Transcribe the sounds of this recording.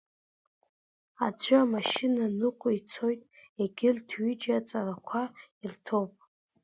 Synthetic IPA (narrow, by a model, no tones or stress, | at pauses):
at͡sʷʰʏamaʃɪnanɨqʷʼʊit͡sʰo̞jtʼeɡʲɪltʰɥid͡ʒat͡sʼarakʷʰailtʰowpʼ